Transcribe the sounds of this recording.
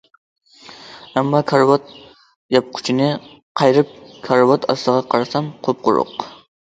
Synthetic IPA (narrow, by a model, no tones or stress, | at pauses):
ɛmːɑkʰɑɾvat̪̚ | jɑp̚kʰʊ̥t͡ʃʰɪnɪ | qʰɑjɾɪp̚kʰɑɾvɑt̪ʰɑ̰st̪ɨʁɑqʰɑɾɑsɑmqʰop̚qʊɾʊ̰q